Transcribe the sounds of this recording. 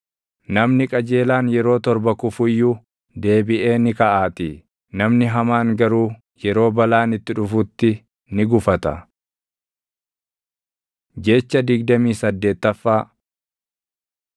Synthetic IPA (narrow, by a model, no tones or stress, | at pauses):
nɐmnɪkʼɐd͡ʒe̞ːlaːnjɛɾo̞ːt̪ɔɾbɐkʊfʊjːʊ | d̪e̞ːbɪʔe̞ːnɪkɐʔaːt̪ɪ | nɐmnɪɦɐmaːŋɡɐɾuː | jɛɾo̞ːbɐlaːnɪt̪ːɪᶑʊfʊt̪ːɪ | nɪɡʊfɐt̪ɐ̰ | d͡ʒeːt͡ʃːɐd̪ɪɡd̪ɐmiːsɐd̪ːe̞ːt̪ːɐfːaː